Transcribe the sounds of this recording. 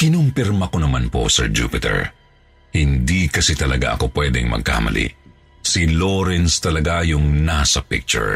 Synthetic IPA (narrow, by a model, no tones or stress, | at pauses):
kɪnʊmpɪɾmɐko̞nɐmanpo̞̰sɛɹd͡ʒṵːpɪt̪ɛ̰ɹ | hɪnd̪ikɐsɛt̪ɐlɐɡa̰ʔɐ̰ko̞pwɛd̪ɛŋmɐ̰ɡ̚ka̰mɐ̰lʔḭʔ | siloɾɛnst̪ɐlɐɡajʊŋnasɐpɪ̰k̚t͡ʃʊ̰ɹ